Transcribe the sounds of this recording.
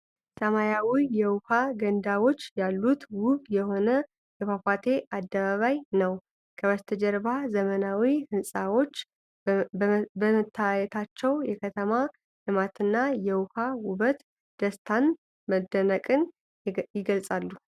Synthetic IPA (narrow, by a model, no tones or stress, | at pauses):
səmajawijɛwʊhaɡənd̪awo̞t͡ʃːjalːut̪wʊβjɛho̞nə | jɛfafat̪ʰe̞ʔad̪ːəβaβajnəw | kʰəβəst̪ʰəd͡ʒɛɾβazəmənawihɨnsʼawo̞t͡ʃː | bəmət̪ʰːajɛt̪ʰat͡ʃːɛwjɛkʰət̪ʰəma | lɨmat̪ɨnːajɛwʊhawʊβət̪ | d̪̥əst̪ʰan | məd̪ːənəkʼɨn | jɪɡəlsʼalːu